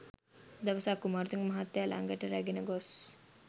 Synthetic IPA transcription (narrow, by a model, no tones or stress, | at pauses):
d̪ɐʋəsaːkumaːɾut̪uŋmɐɦat̪ːjalʔa̰ŋɡəʈəɾæɡenəɡɔs